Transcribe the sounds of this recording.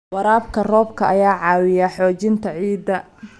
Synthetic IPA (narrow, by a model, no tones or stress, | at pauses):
wɐɾaːbkʰɐrɔːbkʰɐʔɐjaːʕɑːwɪjaħɔːt͡ʃɪnt̪ʰɐʕiːd̪ɐ